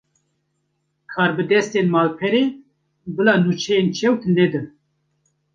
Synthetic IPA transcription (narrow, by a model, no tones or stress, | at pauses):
kʰɑːɾbɨd̪ɛst̪enmɑːlpʰɛɾeː | bɨlaːnuːt͡ʃʰɛjent͡ʃʰɛwt̪nɛd̪ɨ